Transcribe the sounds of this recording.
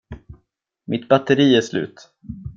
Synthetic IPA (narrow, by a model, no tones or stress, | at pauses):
mʔɪt̪bat̪əɾiːæʂlʉ̟̰ːt̪